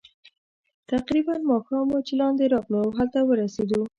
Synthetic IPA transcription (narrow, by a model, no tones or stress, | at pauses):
t̪aqɾibanmɑxɑmot͡ʃelɑnd̪eɾɑqlowɦalt̪awəɾased̪u